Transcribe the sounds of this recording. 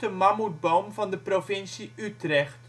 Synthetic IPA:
əmɑmud̚bowmvɑndəprovɪnsiʔytrɛχt

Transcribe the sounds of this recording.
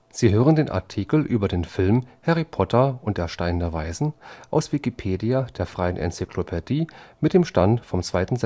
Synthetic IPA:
z̥iːɦøːʁəndeːnʔa̰ɐtʰiːkl̩ʔyːbɐdeːnfɪlmhɛʁipʰɔtʰɐʊnt̚d̥eːɐʃtaɪndɐvaɪzn̩ʔaʊsv̥ikipʰeːdiad̥eːɐfʁ̥aɪənʔɛ̰nt͡sikʰlopʰɛdiːmɪt̚d̥eːmʃtantfɔmt͡sv̥aɪtn̩zɛ

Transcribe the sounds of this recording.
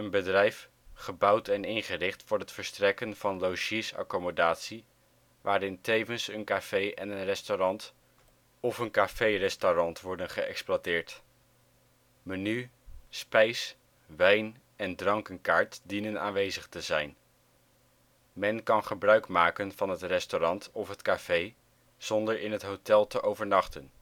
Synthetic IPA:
ənbədrɛjf | χəbʌwtɛnɪnχərɪχtfʊːɹɦətfəɹstrɛkənv̥ɑnlowʒisɑ̰komodaːtsi | ʋaːɾɪntejvənsənkaːfejʔɛnənrɛstoɾɑnt | ɔfənkaːfejrɛstorɑntʋɔɹdənχəɛ̰ksplwatɪːɹt | məny | spɛjs | ʋɛjn | ɛndrɑŋkənkaːɹtdinəna̰ːnʋejzəχtəzɛjn | mɛnkɑnχəbrœɥkmaːkənvɑnɦətrɛstorɑntɔfɦətkaːfej | z̥ɔndəɹɪnɦətɦotɛlˠtəʔowvəɹnɑχtən

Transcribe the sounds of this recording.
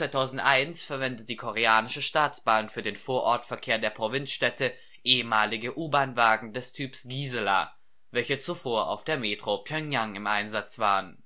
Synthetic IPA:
vaɪtʰaʊzn̩tʔaɪnsfɛɐvɛndəd̥iːkʰoʁeaːnɪʃəʃtaːt͡sb̥aːnfyːɐdeːnfoːɐʔɔɐtfɛɐkʰeːɐdeːɐpʁ̥ovɪnsʃtɛtʰə | ʔeːəmaːlɪɡəʔuːbaːnvaːɡŋ̩dɛstʰyːpsɡ̥iːzəla̰ː | vɛlçət͡sufoːɐʔa̰ʊfd̥eːɐmeːtʁ̥opʰjœŋjaŋɪmʔaɪnzat͡sv̥aːʁən

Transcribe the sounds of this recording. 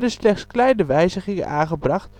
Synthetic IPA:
dəslɛχtsklɛjnəʋɛjzəχɪŋə̰ʔaːχəbrɑχt

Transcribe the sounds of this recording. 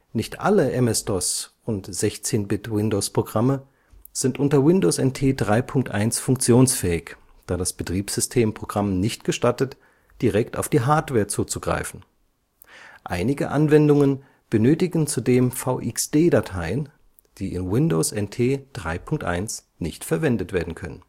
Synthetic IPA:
nɪçtʔaləʔɛmɛsd̥ɔsʔʊntz̥ɛçt͡seːnbɪtwɪndoːspʁ̥oɡʁamə | z̥ɪntʔʊntɐwɪndoːsɛntʰeːdʁaɪpʰʊŋk̚tʔa̰ɪnsfʊŋk̚t͡sjoːnsfɛːɪç | d̥aːdasb̥ətʁ̥iːpz̥ʏstʰeːmpʁ̥oɡ̥ʁamnɪçt̚ɡ̥əʃtatət | d̥iʁɛkta̰ʊfd̥iːɦaɐtv̥ɛːɐt͡suːt͡suɡʁa̰ɪfn̩ | ʔa̰ɪnɪɡəʔanvɛndʊŋən | b̥ənøːtɪɡn̩t͡sudeːmfaʊʔɪksd̥eːdatʰaɪən | d̥iːʔɪnwɪndoːsʔɛntʰeːd̥ʁa̰ɪpʰʊŋk̚tʔa̰ɪns | nɪçtfɛɐvɛndətv̥eːɐdn̩kʰœnə̰n

